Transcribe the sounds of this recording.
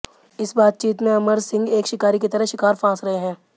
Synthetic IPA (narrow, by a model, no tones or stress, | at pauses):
ɪsbaːt̪̚t͡ʃiːt̪mẽɐməɾsɪ̃ŋɡeːkʃɪkaːɾiket̪ɐɾəɦʃɪkaːɾfãːsɾɐɦeɦɛ̃ː